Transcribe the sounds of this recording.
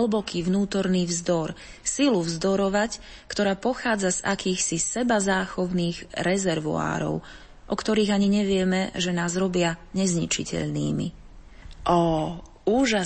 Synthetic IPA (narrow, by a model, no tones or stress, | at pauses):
lbɔkʰiːʋnuːt̪ɔɾniːvzd̪ɔɾ | siluvzd̪ɔɾɔʋac | kt̪ɔɾaːpɔxaːd͡zaza̰kiːxsisɛbazaːxɔʊniːɣɾɛzɛɾʋua̰ːɾɔ̰ʊ | ʔɔkt̪ɔɾiːɣaɲiɲɛʋɪɛmɛʒɛnaːzɾɔbɪaɲɛzɲḭt͡ʃḭcɛ̰ʎnḭːmḭ | ʔɔ | uːʒa